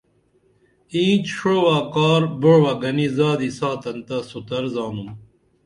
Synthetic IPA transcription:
ĩːt͡ɕʂoːwaːkaːɾbəɻwaɡɐnizaːd̪isaːt̪ɐnt̪asut̪ɐɾzaːnum

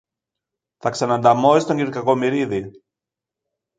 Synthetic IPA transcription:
θɐksɐnɐnd̪ɐmo̞ist̪o̞ɲɟiɾkɐko̞miɾiði

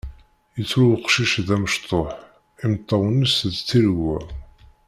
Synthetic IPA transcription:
jət͡sːɾuwqʃiʃðæməʃt̪ˤoħ | imt̪ˤːɑwənːəsðt͡sːiɾɡːæ

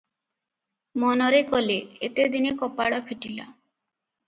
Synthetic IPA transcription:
mɔnɔɾekɔleet̪ed̪inekɔpaɽɔpʰeʈila̰

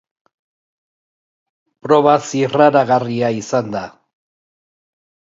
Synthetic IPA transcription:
pɾo̞βasiraɾaɣariaisand̪a

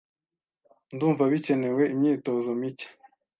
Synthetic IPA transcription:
nduːɱvaβice̞ne̞we̞imɲiːto̞zomicḁ

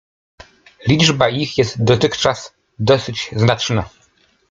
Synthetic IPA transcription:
lʲid͡ʐbaixjɛst̪̚d̪ɔt̪ɘxt͡ʂas | d̪ɔsɘd͡ʑznat͡ʂna

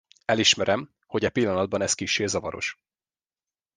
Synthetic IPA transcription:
ɛliʃmɛɾɛm | ho̞ɟɛpilːɒnɒd̪̚bɒnɛskiʃeːzɒvɒɾo̞̰ʃ

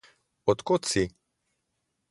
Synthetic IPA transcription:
ɔt̪kot̪si

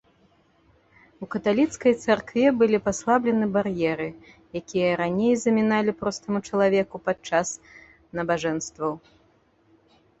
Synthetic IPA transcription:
wkɐt̪alʲit̪skɐjt̪sarkvʲɛbɨlʲipaslˠablʲɛnɨbarjɛɾɨ | jakʲijɐɾanʲejzɐmʲinalʲipɾɔst̪ɐmut͡ʂɐlˠavʲɛkupat͡ʂas | nɐbaʐɛnst̪vɐw

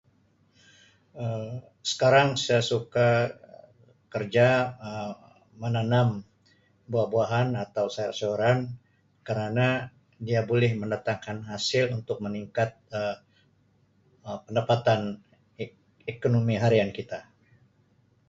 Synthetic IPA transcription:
ə | sə̥kaɾaŋsajasuka | kərd͡ʒaəː | ənanam | buahbuaɦanat̪awsajasoɾan | kəɾana | diabolɛhməndat̪aŋkanɦasɪlunt̪ʊk̚məniŋkat̪̚ə | əpəndapat̪an | ekonomiɦaɾiankit̪a

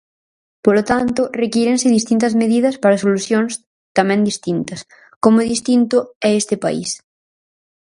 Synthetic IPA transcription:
polot̪ant̪ʊrekiɾensɪðist̪int̪̬ɐzmeðiðɐspaɾɐsoluθjõŋs | t̪amɛ̃nd̪ist̪int̪ɐs | komoðist̪int̪ʊɛest̪ɪpa̰ḭs

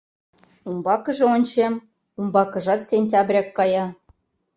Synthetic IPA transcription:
umbɑkɤ̆ʒɤ̆onʲt͡ɕem | umbɑkɤ̆ʒɑt̪sʲenʲtʲɑbrʲɑkːɑjɑ

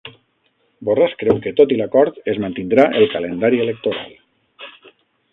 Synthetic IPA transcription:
boraskɾɛwket̪ot̪ilakɔɾt̪ezmant̪ind̪ɾaʔelˠkalend̪aɾielek̚t̪oɾa̰lˠ

